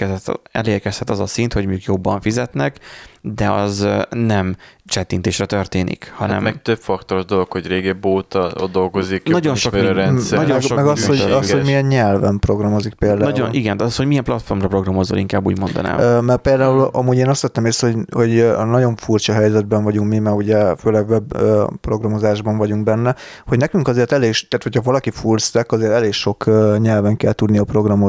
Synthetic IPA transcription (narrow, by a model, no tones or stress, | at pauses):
kɛzɛt̪ːɛ̰leːrkɛshɛt̪ːɒzɒsint̪ho̞ɟmijukjo̞bːɒɱfizɛt̪nɛkd̪ɛɒznɛmt͡ʃɛt̪ːint̪eːʃrɛt̪ørt̪eːnʔḭkhɒnɛ̰mɛk̚t̪øpfɒkt̪oɾoʒd̪o̞lo̞kho̞ɟreːɡɛboːt̪ɒo̰d̪ːo̞lɡo̞ziknɒɟo̞nʃokɾɛnsɒɟomɛɡomɛɡɒshoɟɒhomiɛnɲɛlvɛmpro̞ɡrɒmo̞zik̚peːld̪anɒːuonʔiɡɛnd̪ɒsho̞ɟmijɛmplɒt̪fo̞rmrɒpro̞ɡrɒmo̞zo̰lʔiŋkaːbːuːɟmo̞nd̪ɒ̰na̰ːmmɛrpeːld̪aːulɒ̰muːɟeːnɒst̪ʋɛt̪ːɛmeːsho̞ɟhoɟnɒɟo̞ɱfurt͡ʃɒɦɛjzɛd̪̚bɛɱvɒɟuŋkmimɛɡuɟɛføːlɛɡvɛbøpro̞ɡrɒmo̞zaːʒbɒɱvɒɟuŋɡ̚bɛnːɛ | ho̞ɟnɛkyŋkɒzeːrt̪ɛleːɡʃt̪aːt̪hocʰhɒvɒlɒkifurst̪ɛkɒzeːrt̪ɛleːkʃo̞kːɲɛlvɛŋkɛlt̪ud̪niɒpro̞ɡrɒmo